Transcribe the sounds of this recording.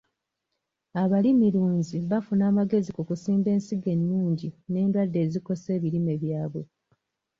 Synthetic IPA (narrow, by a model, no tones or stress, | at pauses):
aβalimiɾuːɲziβafunaːmaɡe̞zikukusiːmbe̞ːnsiɡeninuːɲɟine̞ːndwadːe̞ːziko̞se̞ːβiɾime̞βjaːβo̞